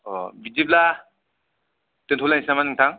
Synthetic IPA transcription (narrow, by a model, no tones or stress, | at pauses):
ɔbid͡ʒip̚la | tentʰlanisamanɯŋtʰaŋ